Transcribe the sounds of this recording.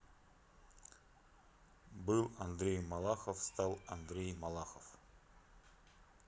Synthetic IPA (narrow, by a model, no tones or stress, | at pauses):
bɨlˠɐnd̪ɾʲejmalˠaχəfst̪ɑlˠɐnd̪ɾʲejmalˠaχəf